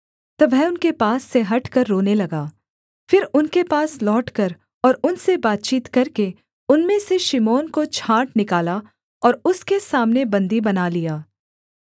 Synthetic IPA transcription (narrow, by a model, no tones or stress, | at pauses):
t̪ɐʋɛɦʊnkepaːsːeɦɐʈkɐɾːoːnelɐɡaː | fɪɾʊnkepaːslɔːʈkɐɾ | ɔːɾʊnsebaːt̪̚t͡ʃiːt̪kɐɾke | ʊnmẽseʃɪmoːnkot͡ʃʰaːʈnɪkaːla | ɔːɾʊskesaːmnebɐ̃nd̪ibɐnalijaː